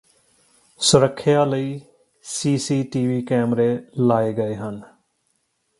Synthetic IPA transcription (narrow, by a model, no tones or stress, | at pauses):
sʊɾəkʰːjaːləiː | siːsiːʈiːʋiːkɛːmɾeːlaːeːɡəeːɦən